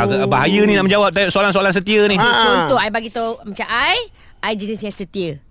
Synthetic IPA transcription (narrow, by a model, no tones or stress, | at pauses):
aɡabaɦajənĩlamə̃ɲd͡ʒawap̚t̪ajoʔsoalansoalans̬ət̪iənit͡ʃont̪ɔajbaɡit̪omat͡ʃaʔaj | ajd͡ʒənisjasət̪iə